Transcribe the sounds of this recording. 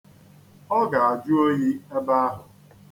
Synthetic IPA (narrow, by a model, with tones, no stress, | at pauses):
ɔ˦ɡa˨a˨d͡ʒu˦o˦ɦi˦e˦ba˦a˦ɦʊ˨